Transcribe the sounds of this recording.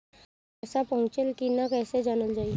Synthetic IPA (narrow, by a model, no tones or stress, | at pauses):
sapəɦʊ̃t͡ʃəlkinakɛːsed͡ʒaːnəld͡ʒaːi